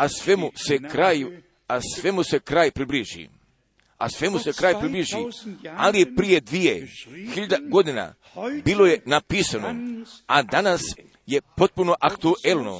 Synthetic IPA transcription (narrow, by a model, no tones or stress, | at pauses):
asʋemuse̞kɾaju | asʋe̞muse̞kɾaːjpɾibliʒḭ | a̰sʋe̞muse̞kɾaːjpɾibliʒialije̞pɾije̞d̪ʋijḛxiʎad̪aɡo̞d̪ina̰ | bilo̞je̞napiːsano̰ad̪anas | je̞po̞t̪̚puno̞ʔakt̪uʔelˠno̞̰